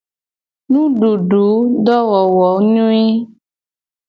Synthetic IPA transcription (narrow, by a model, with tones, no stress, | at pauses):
nũ˦ɖu˨ɖu˨˦ɖɔ˦wɔ˨wɔ˨˦ɲũ˦e˦